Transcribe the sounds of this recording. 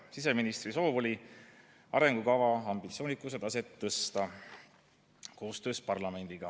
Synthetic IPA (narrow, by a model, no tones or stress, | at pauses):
sis̬e̞minist̪riso̞ːvo̞lʲi | ɑ̰ɾe̞ŋɡ̥ukɑvɑɑmbit̪sio̞ːnikːˑuse̞d̪̥ɑset̪ːɤst̪ɑ | ko̞ːst̪ø̞ːspɑrlɑme̞nd̪̥iɡ̥ɑ